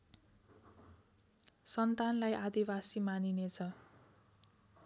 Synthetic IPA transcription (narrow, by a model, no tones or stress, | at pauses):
sʌnt̪anlajʔad̪ibasimaninet͡sʰʌ